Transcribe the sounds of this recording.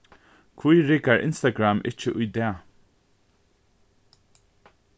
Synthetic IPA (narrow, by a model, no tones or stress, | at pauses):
kʰvujɹɪɡaɹʔɪ̰nst̪aɡɹamʔɪ̰t͡ʃəʔʊjd̪ɛː